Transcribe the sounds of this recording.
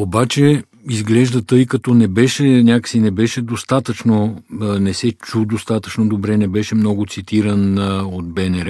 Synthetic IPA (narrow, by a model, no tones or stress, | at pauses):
obat͡ʃɛ | izɡlɛʒd̪ɐt̪ɤjkɐt̪ɔnɛbɛʃɛnʲjakə̥sinɛbɛʃɛd̪ost̪at̪ət͡ʃnonɛsɛt͡ʃud̪ost̪at̪ət͡ʃnod̪obɾɛnɛbɛʃɛmnɔɡot̪sit̪iɾənod̪̚bɛnɛɾɛ